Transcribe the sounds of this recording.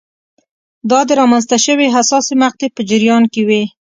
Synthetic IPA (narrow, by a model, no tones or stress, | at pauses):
d̪ɑd̪əɾɑmanzt̪aʃəweɦasɑsimax̚t̪epəd͡ʒɪɾjɑnkewi